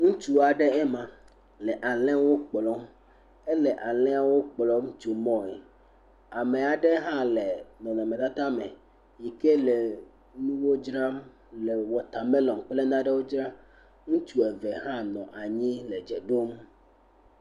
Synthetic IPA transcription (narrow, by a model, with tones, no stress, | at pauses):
ŋũ˦t͡ʃu˦a˨ɖɛ˦ɛ˦mã˨ | lɛ˨ʔa˨lɛ̃˦wo˦k͡plɔ˦m | e˦lɛ˨ʔa˨lɛ̃˦a˨wo˦k͡plɔ˦ŋ˦t͡ʃu˨mɔ̃˦ɛ˨ | a˨me˨a˨ɖɛ˦ɦã˦le˨nɔ̃˨nã˨mẽ˨t̪a˦t̪a˦mḛ˨ | ji˨ke˦le˨ | nũ˦wo˦d͡ʒɾa˦m | lɛ˨wɔ˨t̪a˨me˦lɔ̃˨ŋk͡ple˦nã˦ɖe˦wo˦d͡ʒɾa˦ | ŋũ˦t͡ʃu˨e˨ve˨ɦã˦nɔ̃˨ʔa˨ɲĩ˦le˨d͡ʒɛ˨ɖo˦m